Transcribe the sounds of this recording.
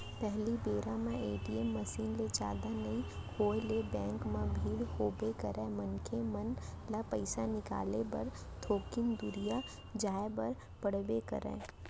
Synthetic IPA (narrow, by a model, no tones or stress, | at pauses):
pɛɦlibeːɾãmẽeːʈiemːɐsiːnled͡ʒa̰ːd̪anɐĩkoːelebɛ̃ːŋkmãbʱiːɽhoːbekɐɾɛ̃mənkʰemɐnlapəɪsanɪka̰ːlebɐɾ | t̪ʰoːkɪnd̪ʊɾija | d͡ʒaːebɐɾ | pəɽ̤bekɐ̰ɾɛ̰̃ː